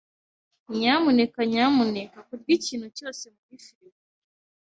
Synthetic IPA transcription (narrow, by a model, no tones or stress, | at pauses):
ɲamunekaɲamunekakuɾɡiciːnhuco̞ːse̞muɡifiɾi